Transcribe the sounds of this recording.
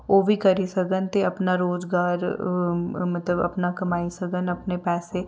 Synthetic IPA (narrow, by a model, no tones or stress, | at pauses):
oːbʱikɐɾisɐɡənt̪ʰeɐpnaɾoːzɡaːɾ | mɐt̪ləbɐ̰pnakɐmaːisɐɡənɐpnepɛːse